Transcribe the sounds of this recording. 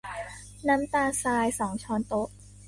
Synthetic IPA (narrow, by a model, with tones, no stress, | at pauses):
na˦˥mt̪aː˧saː˧jsɔː˩˦ŋt͡ɕʰɔː˧nt̪o˦˥ʔ